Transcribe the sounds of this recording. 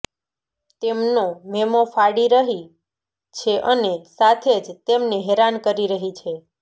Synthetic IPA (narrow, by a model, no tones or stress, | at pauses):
t̪emnomemofaɽiɾəɦi | t͡ʃʰeʔənesat̪ʰed͡ʒt̪emneɦeɾankəɾiɾəɦit͡ʃʰe